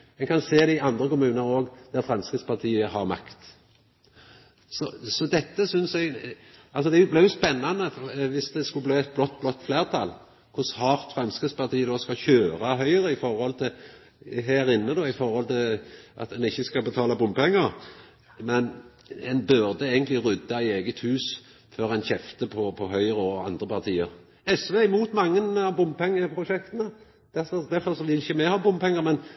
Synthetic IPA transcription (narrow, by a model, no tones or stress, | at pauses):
ɛnkʰɑnseːd̪ɪɑnd̪ɾəkʊmʉːnəɾoːɡd̪̥æɾfɾɑmskəspɑʁt̪ʰiːəɦɑɾmɑ̰kt̪ | sɔsɔd̪ɛt̪ːəsʏnsɛɡ | ɑlsɔd̪ɛæjʊblɪʁjʊspɛnːɑnːəʋɪsd̪ɛskʉbliːɛt̪̚blɔt̪̚ːblɔt̪ːfleːʁt̪ʰɑl | kʰʊshɑːʁt̪fɾɑmskəspɑʁt̪ʰiːəd̪oːskɑçøːɾɑɦœʏʁəɪfɔɾhɔlt̪ʰɪl | ɦæːɾɪnːəd̪ɔːɪfɔɾhɔlt̪ʰɪlʔɑ̰t̪ɛnɪçːəskɑbət̪ʰɑːlɑbʊmbpɛŋːəɾ | mɛn | ɛnbʉɾd̪əeːɡənt̪lɪɾʉd̪ːɑæeːɡət̪hʉːs | føːɾɛnçɛft̪əpʰɔpʰɔɦœʏɾəɔɑ̰nd̪ʁəpʰɑʁt̪ʰiːəɾ | ɛsʋeːɪmuːt̪mɑŋːənɑʋbʊmbpɛŋːəpʰɾʊʃɛkt̪ənə | d̪̥æfɔd̪æfɔɾsɔʋɪɪçːəmɛhɑbʊmpʰɛŋːəɾmɛn